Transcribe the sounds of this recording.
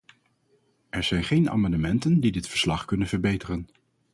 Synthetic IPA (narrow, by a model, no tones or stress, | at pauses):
ɛɹz̥ɛjnχejna̰ːmɑndəmɛntəndidɪtfəɹslɑχkɵnənvəɹbejtərən